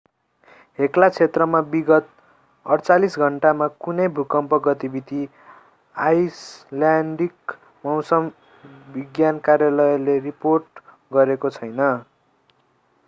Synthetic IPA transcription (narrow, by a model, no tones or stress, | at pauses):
ɦeklat͡sʰet̪rʌmabiɡʌt̪̚ | ʌrt͡salisɡʱʌɳʈamakunʌjbʱukʌmpʌɡʌt̪ibit̪i | ajslaɳɖik | mʌwsʌm | bʱiɡjankarjalʌjleriporʈ | ɡʌɾekot͡sʰʌjnʌ